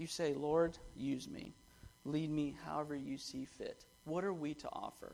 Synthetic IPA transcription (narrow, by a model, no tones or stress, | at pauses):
jɨseɪlɔɹdjʉzmḭ | lid̚miha̰ʊɛvə˞jɨsifɪ̰t̚ | wʌɾə˞wiɾə̰ʔɔ̰fə̰˞